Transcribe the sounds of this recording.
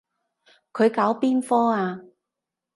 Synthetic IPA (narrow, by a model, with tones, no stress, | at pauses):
kʰɵ˨˧ɥkaː˨˥wpiː˥nfɔː˥aː˧